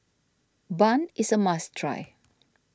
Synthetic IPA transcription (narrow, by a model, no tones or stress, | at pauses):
bãnisəmastʰɹa̰j